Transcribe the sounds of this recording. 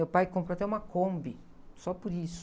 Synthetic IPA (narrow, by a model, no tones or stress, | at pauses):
ewpajkõp̬ɾoat̪ɛũmɐkõmbɪ | sɔpʊɾisʊ̥